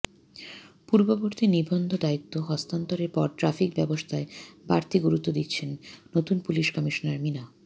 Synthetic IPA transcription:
puɾboboɾt̪inibʱond̪ʱod̪ait̪ːoɦɔst̪ant̪oɾeɾpɔɾʈɾafik̚bɛbost̪ʰaeba̰ɾt̪ʰiɡuɾut̪ːod̪it̪ːɕʰenːot̪unpuliʃkɔmiʃonaɾmina

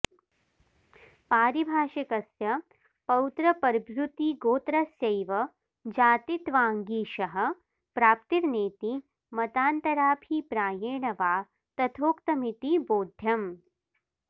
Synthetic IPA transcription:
paːɾibʱaːʃɐkɐsjɐ | pɐwt̪ɾɐpɐɾbʱɾut̪iɡoːt̪ɾɐsjɐjʋɐ | d͡ʒaːt̪it̪ʋaːŋɡiːʃɐɦɐ̆ | pɾaːpt̪iɾneːt̪i | mɐt̪aːnt̪ɐɾaːpʰiːpɾaːjeːɳɐʋaː | t̪ɐt̪ʰoːkt̪ɐmit̪iboːd̪ʱjɐm

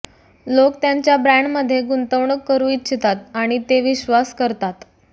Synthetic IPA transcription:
lokt̪jaɲt͡ɕjabɾæ̃ɳɖməd̪ʱːjeɡunt̪əʋɳəkːəɾuːitːɕʰit̪at̪̚aɽ̃it̪eʋiɕʋaskəɾt̪at̪

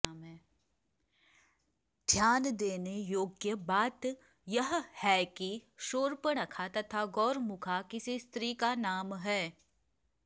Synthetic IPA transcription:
mɦɛː | d̪ʱjaːnd̪eːnejoːɡjəbaːt̪ | jɐɦhɛːkiʃoːɾpəɽ̃ɐkʰat̪ɐt̪ʰaɡɔːɾmʊkʰakɪsist̪ɾiːkanaːmɦɛː

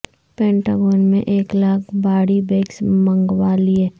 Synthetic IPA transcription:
pɛ̃ːɳʈaːɡoːnmḛ̃ʔeːklaːkʰbaːɽibeːksmə̃ŋɡwaːliɦɛː

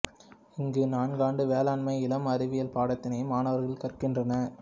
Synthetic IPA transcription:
ɪŋɡɯnaːɳɡaːɳɖɯʋeːlaːɳmɐɪɪlɐmɐɾɪʋɪjɐlpaːɽɐt̪ːɪnɐjmaːnɐʋɐɾɣɐɭkɐrkɪndrɐnɐ

